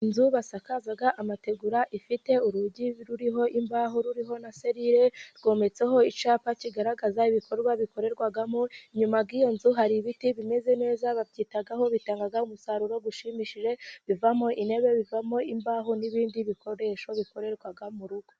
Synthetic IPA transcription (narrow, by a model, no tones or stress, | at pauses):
inzuβasakazaɡaʔamate̞ɡuɾaʔifite̞uɾuɟiɾuɾiɦo̞ʔimbaɦuɾuɾiɦo̞nase̞ɾiɾe̞ɾɡo̞ːme̞t͡se̞ɦo̞it͡ʃaːpaciɡaɾaɡazaiβikʰo̞ɾɡwaβiko̞ɾe̞ɾɡwaɡamoɲumabɡijo̞nzuɦaɾiβitiβime̞ze̞ne̞ːzaβabɟiːtaɡaɦo̞βitaːŋɡaɡaumusaɾuɾo̞ɡuʃimiʃiʒe̞βivamo̞ʔine̞βe̞βivamo̞imbaːɦuniβiːndiβikʰo̞ɾe̞ʃo̞βiko̞ɾe̞ɾɡwaɡamuɾuɡ̥o